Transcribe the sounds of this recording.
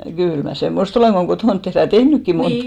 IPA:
kyˑl mæ semːost oleˑŋ ɡ̊o kotoˑnt tehræ jɑ tehnykːi mont

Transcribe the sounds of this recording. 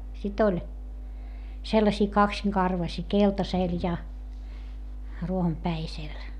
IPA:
sit olʲ selːɑsiː kɑksiŋkɑrʋɑsiː keltɑseˑl jɑ ruohompæisel

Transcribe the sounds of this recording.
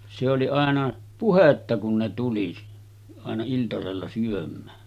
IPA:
se oli ɑˑenɑ puhetːɑ kun ne tuli ɑˑenɑ iltɑselːɑ syømˑæː

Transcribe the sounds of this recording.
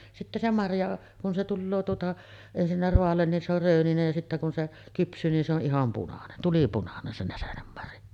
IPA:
sitːæ se mɑrjɑ kun se tulːoː tuotɑ ensinːæ roɑlːen nin se or røːninej jɑ sitːæ kun se kypsˑyː nin se o ʔihɑm punɑnen tulipunɑnen se næsenemːɑrjɑ

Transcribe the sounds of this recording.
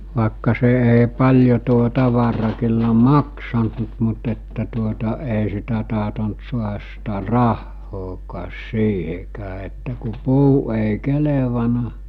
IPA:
ʋɑˑekːɑ se ʔei̞ pɑlʲjo tuo tɑʋɑrɑ kylːæ mɑksɑnt mu mut etːæ tuotɑ eˑi sitæ tɑhtont suɑhɑs sitæ rɑhːoːkɑːs siːhekæː etːæ ku puː eˑi̞ keleʋɑnˑɑ

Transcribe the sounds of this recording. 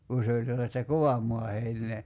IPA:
ku se olʲ selːɑstɑ koʋɑm moɑ heinˑeː

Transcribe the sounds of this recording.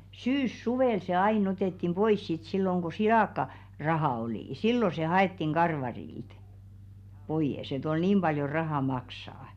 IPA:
syːsːuʋeˑl se ɑin oteˑtːim b̥ois sit silːoŋ ɡ̊o silɑˑkːɑ rɑhɑ oliˑ silːo se hɑetːiŋ ɡ̊ɑrʋɑrilt b̥oij̆es et ol niːm b̥ɑljo rɑhɑˑ mɑksɑː

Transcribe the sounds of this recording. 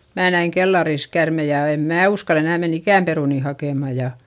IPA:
mæː næiŋ kelːɑris kærmej jɑ eˑm mæː uskɑl enæˑ menː ikæˑm peruˑni hɑkeˑmɑ jɑ

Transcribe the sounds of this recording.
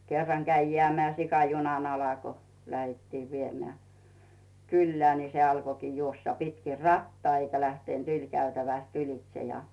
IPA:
kerːɑŋ kæi jeæˑmeæˑ sikɑ junɑn ɑlɑ ko læhetːiːʋ ʋiemĕæˑ kylːĕæː ni se ɑlkokiː juosːɑ pitki rɑtːɑː eikæ læhtent ylʲkæytæʋæst ylitse jɑ

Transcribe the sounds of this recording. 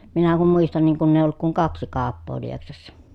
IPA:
minæ kum muistɑn niːŋ kunː eˑij̆ olːuk kuŋ kɑksi kɑːpːoː lieksɑsːɑ

